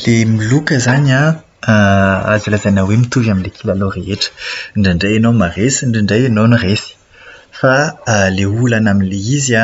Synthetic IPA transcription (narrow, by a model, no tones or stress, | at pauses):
lemilukəzana | azilazanawemit̪uvaminlekʰilaloreeʈ͡ʂə̥ɳɖ͡ʐiɳɖ͡ʐejenomaresiɳɖ͡ʐiɳɖ͡ʐejenoniresi̥ | faleulanaminleizia